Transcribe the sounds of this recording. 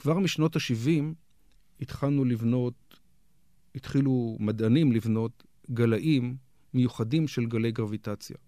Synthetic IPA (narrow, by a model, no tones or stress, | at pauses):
kv̥aʁmiʃno̞taʃivim | it̪χalnulivnot | itχilumadanimlivno̞t | ɡalaʔimː | ejuχadimʃe̞lɡale̞jɡʁavitat͡sja̰